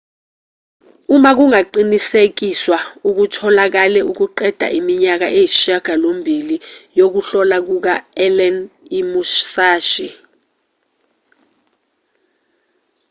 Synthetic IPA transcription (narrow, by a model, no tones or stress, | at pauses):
umak̬uŋaǃinisek̬iswauk̬utʰɔlak̬alɛʔuk̬uǃɛd̥ʱa̰ʔimiɲak̬aʔejiʃaɡ̥ʱalombʱilijok̬uɬɔlak̬uk̬aɛlɛnimuʃsaːʃi